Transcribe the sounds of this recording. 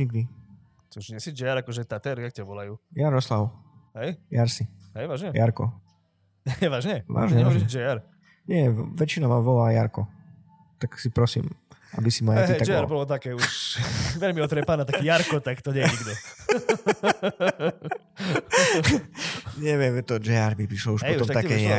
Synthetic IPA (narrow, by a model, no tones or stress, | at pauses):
ɲiɡ̚d̪i | t̪ɔuʒɲɛsid͡ʒɛaɾakɔʒɛt̪at̪ɛɾiak̚t̪ɛʋɔlajujaɾɔslawɦɛjjaɾsiɦɛjʋaːʒɲɛjaɾkɔ̰ | ʋaːʒɲɛʋa̰ːʒɲɛɛɔʒɛd͡ʒɛaɾ | ɲɛʋɛt͡ʃinamaʋɔlajaɾkɔ | t̪aksipɾɔsḭːmabisimaiad͡ʒɛaɾbɔlɔt̪akɛːuʃʋɛʎmiɔt̪ɾɛpanaːt̪akijaɾkɔt̪akt̪ɔɲɛjɛɲiɡd̪ɔ | ɲɛʋɪɛmt̪ɔd͡ʒɛaɾmipɾiʃlɔuʃpɛɔt̪ɔmat̪akɛːɲɲɛa